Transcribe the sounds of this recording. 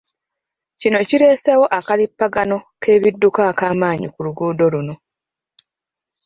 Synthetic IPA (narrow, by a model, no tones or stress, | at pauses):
cino̞ciɾe̞ːsewo̞ʔakalipːaɡano̞kʰe̞ːβidːukaːkaːmaːɲḭkuluɡuːdo̞luno̞